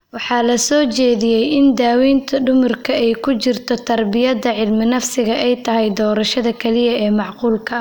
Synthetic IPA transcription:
wɑħɑːlɐsɔːt͡ʃɛːðɪjɛjɪnd̪aːwiːnt̪ʰɐɖʊmʊrkʰɐɛjkʰʊt͡ʃɪrt̪ʰɔt̪ʰɐrbɪjɐðɐʕɪlmɪnɐfsɪɣɐʔɛjt̪ʰɐɦɛjd̪ɔːɾɐʃɐðɐkʰɐlɪjɐɛːmɑʕquːlkʰɐ

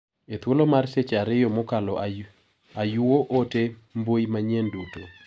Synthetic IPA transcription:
et̪wolomarset͡ʃaɾɪjɔmokalɔ | ajuoʔotembojmaɲenduto̰

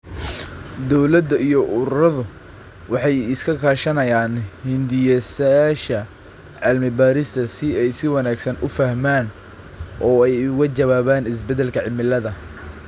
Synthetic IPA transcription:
d̪ɔwlɐd̪ɐijɔʔʊɾʊɾɐðʊ | wɑħɑjɪskʰɐkʰaːʃɐnɐjaːnhɪnd̪ɪjɐsʃɐ | ʕɪlmɪbaːɾɪst̪ʰɐsɪɛjsɪwɑnaːɡsɐnʊfɐhmaːn | ʔɔːɛjʊɣɐt͡ʃɐβaːβaːnɪs̬bɛd̪ɛlkʰɐʕɪlmɪlɐðɐ

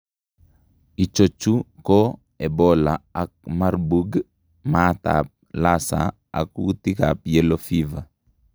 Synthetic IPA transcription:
it͡ʃot͡ʃːuko | ɛbɔlaak̚marbuɡ | mat̪a̰p̚lasa̰ | a̰kwut̪ikapjelofiva

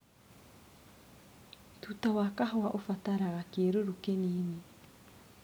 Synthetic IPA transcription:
tutawakaɦɔaʔofataɾaɣakeːɾoɾokeniːne

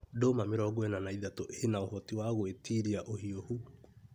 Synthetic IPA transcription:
domameɾɔɡwɛnanaiðatoʔenaohɔtiwaɣwetiɾiaʔohiohu

